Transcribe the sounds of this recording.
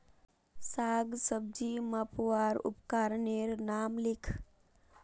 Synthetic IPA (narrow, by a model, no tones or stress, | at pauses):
saːɡsəb̚d͡ʒiməpwaːɾṵpkaɾneɾnaːmlikʰ